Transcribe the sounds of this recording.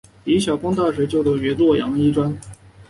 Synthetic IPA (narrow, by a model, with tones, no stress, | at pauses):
i˧˥ɕjɑ˨˩ʊpɑ˥ŋt̪a˥˩ʂɻ̩ɛ˧˥t͡ɕjo˥˩ʊʈ͡ʂɔ˥˩ɛ˧˥lwɔ˥˩jɑ̰˧˥ŋi˥ʈ͡ʂwa˥n